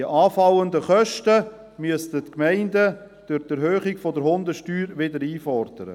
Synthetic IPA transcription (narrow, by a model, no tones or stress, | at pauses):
diəʔɑːfɑwəndəχœʃtə | myəstətkmɛɪndə | d̥ʊɾdɛɾɦøːχɪɡfɔdəɾhʊndəʃtyːɾʋɪdəɾiːfɔɾd̥əɾə̰